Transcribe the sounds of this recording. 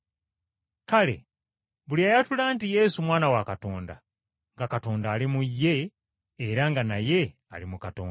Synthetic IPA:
kale̞̰ | βuliaːjatulaːntije̞ːsumwaːnawakato̞ːnda̰ | ŋɡakato̞ːndaːlimujːe̞ː | ɾaŋɡanaje̞ | a̰limukato̰ːn

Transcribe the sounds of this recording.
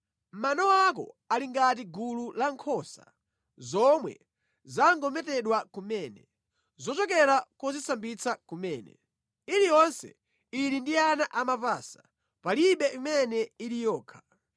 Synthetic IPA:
m̩manɔakɔ̰aliŋɡat̬iɡululaŋkʰɔsa̰ | zɔmwɛ̰ | zaŋɡɔmɛtɛɗwakumɛːnɛ | zɔt͡ʃɔkɛɾakɔzisambit͡sakumɛːnɛ̰ | iɾijɔnsɛ̰ | iɾindianaʔamapaːsḁ | paliɓɛimɛnɛilijɔːkʰḁ

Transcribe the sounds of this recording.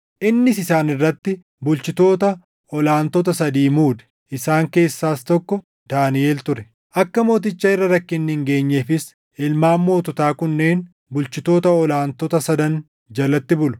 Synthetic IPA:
ʔɪnːɪsɪsaːnɪrːɐt̪ːɪ | bʊlt͡ʃɪt̪o̞ːt̪ɐ | ɔlaːnt̪ɔt̪ɐsɐd̪iːmuːd̪ɛ̥ | ʔɪsaːŋke̞ːsːaːst̪ɔkːɔ | d̪̥aːnɪeːlt̪ʊɾɛ | ʔɐkːɐmo̞ːt̪̬ɪt͡ʃːɐɪrːɐɾɐkːɪnːɪŋɡe̞ːɲːeːfɪs | ɪlmaːmːo̞ːt̪ɔt̪aːkʊnːe̞ːn | bʊlt͡ʃɪt̪o̞ːt̪ɐɔlaːnt̪ɔt̪ɐsɐd̪ɐn | d͡ʒɐlɐt̪ːɪbʊlʊ̥

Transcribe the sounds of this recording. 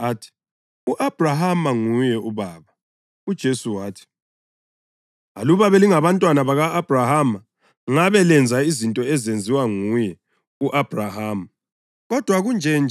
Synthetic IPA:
aːtʰi̥ | uʔab̥ʱraɦamaŋujɛuβaːβa | ud̥ʒ̥ʱesuwaːtʰi̥ | a̰luβaβɛliŋaβantʼwanaβaɣaːb̥ʱrahama | ŋaβɛlɛnd͡zʱaizintʼɔɛzend͡zʱiwaŋujɛ | uʔab̥ʱrahaːma | ɣɔd̥ʱwaɣund͡ʒʱɛnd͡ʒ

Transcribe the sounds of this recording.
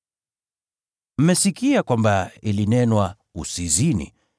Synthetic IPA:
m̩mɛsikiakwambailinɛnwa | usizinḭ

